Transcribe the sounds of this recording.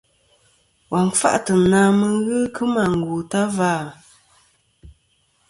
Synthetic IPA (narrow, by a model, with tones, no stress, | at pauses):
wʔa˨ŋ˨fa̰˦ʔtə˨naː˦mə˦ɣɨ˦kɨ˦ma˨ŋ̩˨ɡu˨ta˦vaː˦˨